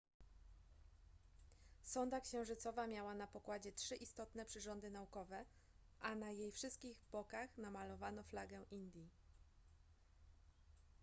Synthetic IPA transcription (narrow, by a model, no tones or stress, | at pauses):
sɔnd̪akɕɛ̃w̃ʐɘt̪sɔvamʲjawanapɔkwad͡ʑɛtʂɘʔist̪ɔt̪nɛpʂɘʐɔnd̪ɘnaukɔvɛ | ʔanajejfʂɘst̪̚kʲiɣbɔkaxnamalɔvanɔflaɡɛʔind̪ʲji